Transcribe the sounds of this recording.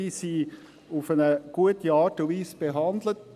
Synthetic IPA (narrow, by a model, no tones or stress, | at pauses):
isi | ufənəɡ̥uətiɑːɾtnviːsb̥eɦɑnd̪lət